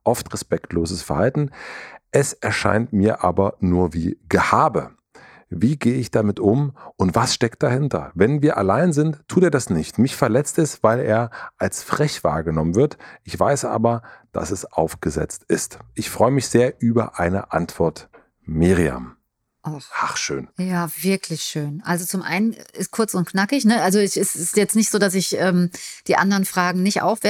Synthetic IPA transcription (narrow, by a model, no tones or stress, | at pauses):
ʔɔftʁɛspɛktʰloːzəsfɛɐhaltn̩ʔɛsɛɐʃa̰ɪntmiːɐʔaːbɐnuːɐviːɡəhaːbə̰ | viːɡeːəɪçd̥amɪtʊmʔʊntv̥asʃtɛk̚t̚d̥ahɪntɐ̰vɛnviːɐʔalaɪnzɪntʰːuːteːɐdasnɪçtmɪçfɛɐlɛt͡stɛstv̥aɪleːɐʔalsfʁ̥ɛçv̥a̰ːɐɡənɔmənvɪɐtʔɪçv̥aɪsʔa̰ːbɐd̥a̰sɛsʔa̰ʊfɡ̥əzɛ̰t͡stʔɪstʔɪçfʁ̥ɔʏəmɪçz̥eːɐʔyːbɐ̰ʔaɪnə̰ʔantv̥ɔɐt | mɪʁia̰m | ʔaʔaχʃø̰ːnjaːvɪɐkʰlɪçʃøːnʔalzot͡sʊmʔa̰ɪnənɪstkʰʊɐt͡sʊntknakɪçnəʔalzoɛɪsɪsjɛt͡stnɪçtz̥oːdas̬ɪçʔɛːmd̥iːʔa̰ndəʁənfʁ̥aːɡŋ̩nɪçtʔa̰ʊfv̥ɛ